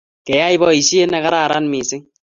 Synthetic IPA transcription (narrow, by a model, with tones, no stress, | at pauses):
kɛ˨ja˦i˦bɔ˦i˨sje˦na˦ka˦ɾa˦˨ɾa˦n˦mi˨sɪ˦ŋ